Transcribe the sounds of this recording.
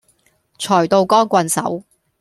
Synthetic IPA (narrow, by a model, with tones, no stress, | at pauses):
t͡ʃʰɔː˨˩jt̪o˧wkɔː˥ŋkʷɐ˧nsɐ̰˨˥w